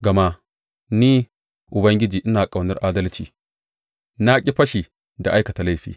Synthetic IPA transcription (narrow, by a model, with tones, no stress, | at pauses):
ɡa˨ma˦ | ni˦ | ʔʊ˨bɐ˦ŋɡʲi˦d͡ʒiː˨ʔi˦na˨kʼa˨wni˦ɾʔa˦dɐ˦lt͡ʃḭ˨ | na˦kʲʼi˦ɸɐ˦ʃi˨ | da˨ʔa˦jkɐ˨ta˨la˦jɸḭː˦